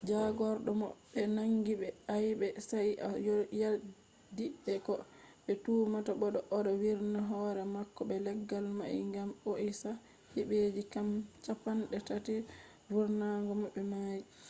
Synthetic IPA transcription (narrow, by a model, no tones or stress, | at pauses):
d͡ʒaɡɔɾɗɔmɔ̰ɓːɛnaŋɡiɓɛajbɛsajajɔja | diɓɛkɔ | ɓɛtuːmataɓɔɗɔʔɔɗɔwiɾnaɦɔɾɛmakːɔɓɛlɛɡːalmajḭŋɡamoʔisa | hiɓed͡ʒikamt͡ʃapanɗɛtati | vuɾnaŋɡɔmɔɓːɛmaji